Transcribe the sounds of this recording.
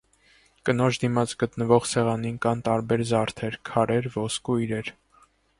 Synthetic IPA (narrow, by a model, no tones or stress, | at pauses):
kənɔt͡ʃd̪imɑt͡sɡət̪nəvɔχsɛʁɑninkɑnt̪ɑɾbɛɾzɑɾt̪ʰɛɾkʰɑɾɛɾvɔskuiɾɛɾ